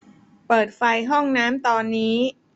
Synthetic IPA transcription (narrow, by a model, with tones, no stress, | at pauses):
pɤː˨˩t̪̚fa˧jɦɔ˥˩ŋnaː˦˥mt̪ɔː˧nːiː˦˥